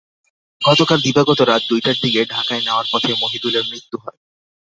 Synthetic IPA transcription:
ɡɔt̪okald̪ibaɡɔt̪oɾat̪̚d̪ujʈaɾd̪ikeɖʱakaeneoaɾpɔt̪ʰemoɦid̪ulemɾit̪ːuɦɔ̰e

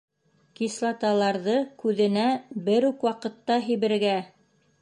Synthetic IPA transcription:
kislˠɑt̪ɑlˠɑɾðɤkʉðɘ̆næbɘɾʉkwɑqɤ̆t̪ːɑɦijβɘ̆ɾɡæ

